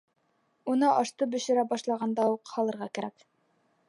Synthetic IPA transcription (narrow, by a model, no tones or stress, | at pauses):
unɤʔɑʃt̪ɤbɵ̆ʃɘ̆ɾæbɑʃlˠɑʁɑnd̪ɑuqhɑlˠɤ̆ɾʁɑkæɾæ̰k